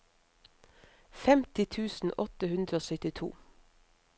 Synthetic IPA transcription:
fɛmt̪ɪt̪ʰʉːsn̩ʔɔt̪əhʉnd̪ɾəoːsœt̪ɪt̪ʰṵː

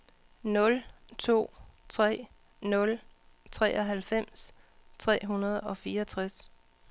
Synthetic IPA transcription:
nɔ̽lt͡sʰo̝̰ːt͡sʰʁɛ̰ː | nɔ̽l | t͡sʰʁɛ̰ːʔɒɦælfem̰s | t͡sʰʁɛ̰ːɦunɐð̞̩ˠɒ̽fiːɐɒt͡sʰʁas

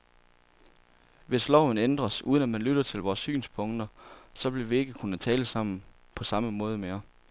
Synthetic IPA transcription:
ʋe̝slɒʊ̰n̩end̥ʁɐsʔṵːðˠənæmænlyɾ̥ɐt͡sʰe̝lʋɒːsːy̰ːnspʰɔ̽ŋd̥ɐsɒ̽b̥leɐʋie̝ɡ̥əkʰunət͡sʰɛːləsɑ̈m̰n̩ | pʰɒ̽sɑ̈məmɔ̽ːð̞ˠəmeɐ

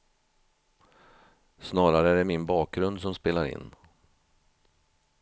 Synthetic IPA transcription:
snɑːɾaɾəæɖɛmɪnbɑːk̚ɡɾɵnd̪sɔmspeːlaɾɪ̰nː

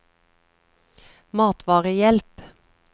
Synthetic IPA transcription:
mɑːt̪ʰʋɑːʁəjɛlp

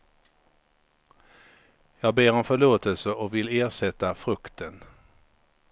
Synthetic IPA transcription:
jɑːɡ̚beːɾɔnfœɭoːt̪əlsəʔɔkvɪleːʂɛt̪ːafɾɵkt̪ʰən

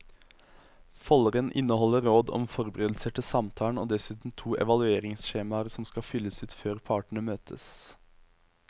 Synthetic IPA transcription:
fɔlʁənʔɪ̰nəhɔləɾoːd̪ɔ̰mfɔʁbəʁeːd̪l̩səʈʰɪsɑmt̪ʰɑːɳ̩o̰ːd̪ɛsʉːt̪n̩t̪ʰuːʔɛ̰ʋɑlʉeːʁɪŋsʃeːmɑəɾsɔmskɑfʏlːəsʉːt̪føːʁpʰɑːʈɳ̩əmøːt̪ʰəs

